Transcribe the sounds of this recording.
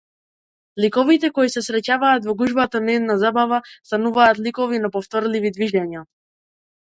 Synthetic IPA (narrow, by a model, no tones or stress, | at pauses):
likɔvit̪ɛkɔisɛsɾɛcavaːt̪vɔɡuʒbat̪anɛd̪nazabavast̪anuvaːt̪likɔvinapɔft̪ɔɾlivid̪viʒɛɲa